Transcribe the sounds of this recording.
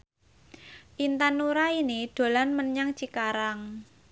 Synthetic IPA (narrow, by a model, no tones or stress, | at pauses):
ʔint̪anuɾainid̪̥o̤lanməɲaŋt͡ʃikaɾaŋ